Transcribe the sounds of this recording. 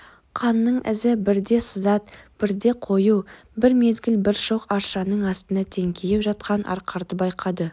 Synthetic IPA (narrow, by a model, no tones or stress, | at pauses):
qʰɑnːəɴʔɪ̰zɪbɪɾd̪e̞səzɑt̪̚b̥ɪɾd̪e̞qʰo̞ju | bɪɾme̞zɡʲɪlbɪɾʃo̞qɑɾʃɑnəɴɑst̪ənɑt̪ʰeŋkʲʰejepʒɑt̪̚qʰɑnʔɑ̰ɾqʰɑɾd̪əbɑjqʰɑd̪ə